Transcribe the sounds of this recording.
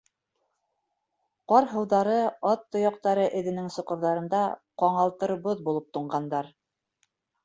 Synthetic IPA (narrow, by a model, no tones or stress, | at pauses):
qɑɾɦɤ̆wðɑɾɤɑt̪ːŏjɑq̚t̪ɑɾɤʔɘ̆ðɘ̆nɘŋsŏqɤ̆ɾðɑɾɤ̆nd̪ɑqɑɴɑlˠt̪ɤ̆ɾβoðbulˠɤp̚t̪ŏɴɢɑnd̪ɑɾ